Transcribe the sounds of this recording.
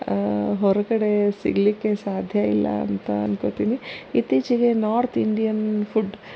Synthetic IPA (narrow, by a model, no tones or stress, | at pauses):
ɦɔɾɐkɐɽe̞sḭɡlikːesaːd̪ʱjɐilːɐ̰ɐ̰nt̪ɐɐnkot̪iːniit̪iːt͡ʃiɡenaːɾt̪ʰiɳɖijɐnpʰuɖ